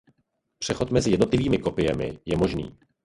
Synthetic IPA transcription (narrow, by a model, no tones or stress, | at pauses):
pr̝̥ɛxo̞t̪mɛzɪjɛdnot̪lɪviːmɪko̞pɪjɛmɪ̰jɛmo̞ʒnḭː